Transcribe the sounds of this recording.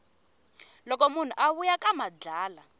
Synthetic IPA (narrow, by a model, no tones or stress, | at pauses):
lɔk̬ɔmun̤ṵʔaβujakʼamad͡ɮaːla